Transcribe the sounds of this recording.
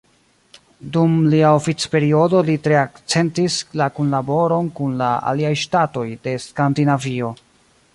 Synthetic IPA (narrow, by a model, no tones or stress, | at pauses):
dumliaofit͡spe̞ɾio̞do̞litɾe̞akt͡se̞ntislakunlabo̞ɾo̞nkunlaa̰liajʃtato̞jde̞skandinavio̞